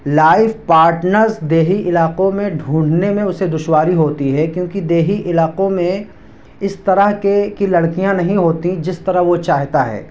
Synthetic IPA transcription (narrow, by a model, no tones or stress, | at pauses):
laːɪfpaːɾʈnəɾzd̪eːɦiʔɪlaːqõmẽɖʱũːɳɖnemẽʊsed̪ʊʃwaːɾiɦoːt̪iɦɛkjõːkid̪eːɦiʔɪlaːqõmẽ | ɪst̪ɐɾəɦkekilɐɽkijãnɐɦĩɦoːt̪ĩd͡ʒɪst̪ɐɾəɦʋot͡ʃaːɦt̪aɦɛ̰ː